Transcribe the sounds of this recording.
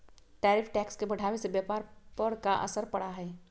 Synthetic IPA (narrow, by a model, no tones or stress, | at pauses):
ʈɛːɾipʰʈɛːkskebəɽʱaːwesebjaːpaːɾpəɾkaʔə̰səɾpəɽaɦɛː